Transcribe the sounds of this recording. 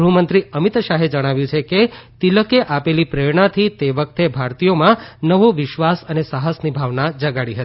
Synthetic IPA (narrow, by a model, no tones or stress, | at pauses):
ɾuɦumənt̪ɾiəmit̪ʃaɦed͡ʒəɽ̃aʋjũt͡ʃʰeket̪iləkeʔapelipɾeɭɳat̪ʰit̪eʋək̚t̪ebʱaɾt̪ijomãnəʋoʋɪʃʋasənesaɦəsnibʱaʋnad͡ʒəɡaɽiɦət̪i̥